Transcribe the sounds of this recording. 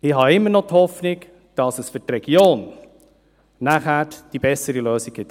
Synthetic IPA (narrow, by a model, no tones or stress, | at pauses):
ɪɦɑɪmːənɔthɔfnɪɡ | d̥ɑsəsfʏtrɛɡ̥joːn | næχæd̥ib̥ɛsəɾiløːsɪɡ̥̚ɡ̥ɪt̪